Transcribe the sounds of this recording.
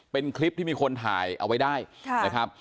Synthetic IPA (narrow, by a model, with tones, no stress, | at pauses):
pe˧nkʰli˦˥p̚t̪iː˥˩miː˧kʰo˧nt̪ʰa̰ː˩˦jʔa̰˧wa˦˥jdaː˥˩jʰna˦˥kʰɾa˦˥p̚